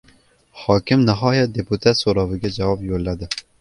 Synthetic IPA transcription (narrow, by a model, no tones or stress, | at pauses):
hɑːkɪmnɨɦɑːjɛt̪̚d̪eput̪ʰɛsoɾɑvɨɡʲɛd͡ʒɛwɑːbjolːɛd̪ɨ